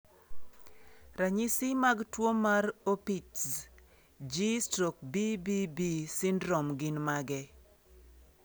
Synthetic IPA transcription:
ɾaɲisimaɡtwomaɾopits | d͡ʒistok̚bibibisɪndɾɔmɡɪnmaɡɛ

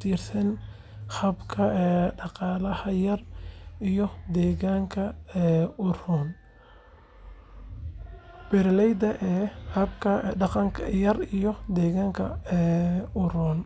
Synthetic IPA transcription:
t̪ʰiːrsɐn | hɐbkʰɐɛːɖɑqɑːlɐhɐjɐrijɔd̪ɛːɣaːŋkʰɐɛʊrʊːn | b̥ɛɾlɛjd̪ɐʔɛːhɐbkʰɐɖɑqɑŋkʰɐjɐrijɔd̪ɛːɣaːŋkʰɐ̰ɛːʊɾʊːn

